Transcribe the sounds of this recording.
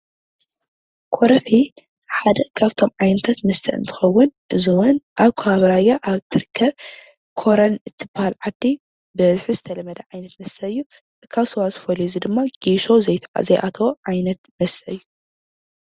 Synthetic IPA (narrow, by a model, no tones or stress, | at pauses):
kʰoɾɐfi | ħad̪ɐkʰaβt̪ʰo̞mʕajnɐt̪ʰat̪mɐst̪ʰɐ̰ʔɨ̰nt̪ʰɨ̥xɐwːʊnʔɨziwɔnʔaβkʰohaβɐɾajaʔaβt̪ʰɨɾkʰːɐβ | kʰoɾɐnɨt̪ʰːɨbːahalʕad̪ːi | bɨɐzħizɨt̪ʰɐlɐmɐd̪ɐʕajnɐt̪mɐst̪ʰɐɨjːu | ɨkʰaβsowazɨfolizid̪ɨmːaɡ̥iʃo̞zɐj̪ʰzɐjʔat̪ʰɐwoʕajnɐt̪mɐst̪ʰɐɨjːu